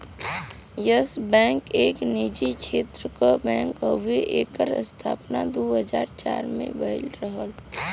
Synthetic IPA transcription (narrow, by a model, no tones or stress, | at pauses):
jəsbɛ̃ːŋkeːknid͡ʒikʃʰeːt̪ɾəkabɛ̃ːŋkɦəʋeʔeːkəɾə̰st̪ʰa̰ːpnad̪oːɦəd͡ʒaːɾt͡ʃa̰ːɾmḛ̃bəɪlɾəɦəl